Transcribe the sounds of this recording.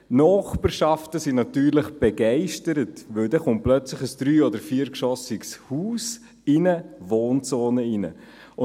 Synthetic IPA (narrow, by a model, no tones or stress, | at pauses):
nɔːχpəɾʃɑftəsinɑtyːɾlɪχb̥eɡɛɪʃtəɾətʋɵldɛχʊnt̚plœt͡sləχəsd̥ɾyːɔdəɾfiːəɾkʃɔsɪɡshuːs | ɪnəvoːnt͡sɔːnəɪnə̰ | ʊ